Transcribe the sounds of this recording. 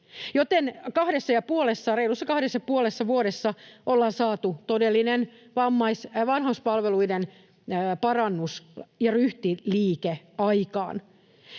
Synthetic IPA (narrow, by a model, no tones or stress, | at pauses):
jot̪enkɑhdesːɑjɑpuolesːɑreilusːɑkɑhdesːɑpuolesːɑʋuoɾesːɑʔolːɑːnsɑːt̪ut̪odelːinen | ʋɑmːɑisʋɑnhɑuspɑlʋeluidenː | pɑrɑnːusjɑryht̪iliːke | ɑikɑ̰ːn